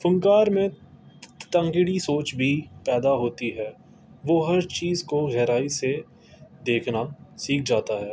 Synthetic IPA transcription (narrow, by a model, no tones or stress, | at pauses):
fʊ̃ŋkaːɾmẽ | t̪ə̃ŋɡɪɽisoːt͡ʃbʱipɛːd̪aɦoːt̪iɦɛː | ʋoːɦɐɾt͡ʃiːzkoɣɛːɾaːise | d̪eːkʰnasiːk̚ʰd͡ʒaːt̪aɦɛː